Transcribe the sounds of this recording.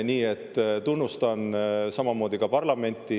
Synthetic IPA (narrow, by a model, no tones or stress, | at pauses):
niːe̞t̪ːt̪unːust̪ɑnsɑmɑmo̞ːd̪̥ikɑpɑrlɑme̞nʲt̪ˑːi